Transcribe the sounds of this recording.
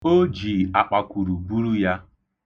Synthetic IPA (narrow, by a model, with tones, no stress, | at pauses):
o˦d͡ʒi˨a˨k͡pa˨kʷu˨ɾu˨bu˦ɾu˦ja˦